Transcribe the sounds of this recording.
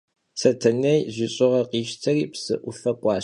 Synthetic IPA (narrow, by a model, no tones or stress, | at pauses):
sɐtʰɐnɐjʑʷiɕʼɪʁɐqiːʃtʰɐriːpsɨ̰ʔʷʊfɐkʷʼɑː